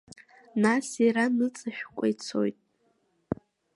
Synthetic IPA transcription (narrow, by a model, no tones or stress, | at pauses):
nasiɾanɨt͡sʼɨʃᶣkʷʼa̰jt͡sʰo̞̰jtʼ